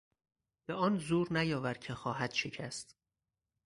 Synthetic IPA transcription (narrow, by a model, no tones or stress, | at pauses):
b̥eɒːnzuːɾnæjɒːvæɾcʰexɒːɦæd̪̥ʃecʰæst̪